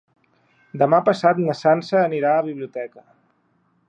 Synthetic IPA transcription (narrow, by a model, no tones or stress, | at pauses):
d̪əmapəsat̪nəsansəːniɾaəβ̞iβ̞liut̪ɛkə